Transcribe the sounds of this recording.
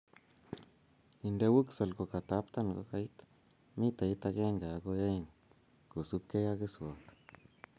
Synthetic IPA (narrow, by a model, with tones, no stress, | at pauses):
i˨nde˦wu˦ksa˨lɡo˨ka˨t̪a˨˦pt̪a˦nɡo̰˧ka˧˦i˦t̪ | mi˦t̪a˨ji˦t̪a˧ɡe˦ŋɡa˨ɡo˧ja˦i˨n | ku˨su˦p̚ke˦ja˦ɡɨ˦swo˨t̪